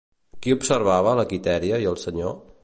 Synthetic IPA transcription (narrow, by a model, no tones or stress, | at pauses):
kiupsəɾβ̞aβ̞ələkit̪ɛɾiəiəlˠsəɲo